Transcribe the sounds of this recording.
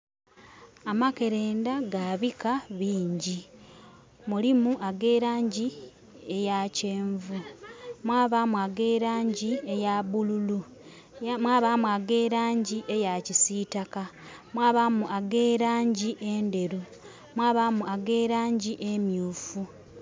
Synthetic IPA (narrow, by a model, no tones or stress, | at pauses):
amake̞ɾeːndaɡaβikaβiːɲɟi | mulimuʔaɡe̞ːɾaːɲɟi | e̞jace̞ːɱvumwaːβamuaɡe̞ːɾaːɲɟie̞jaβululu | mwaːβamuaɡeːɾaːɲɟiʔe̞jacisiːtakamwaːβamuʔaɡeːɾaːɲɟiʔe̞nde̞ɾu | mwaːβamuaɡe̞ːɾaːɲɟiʔemjuːfu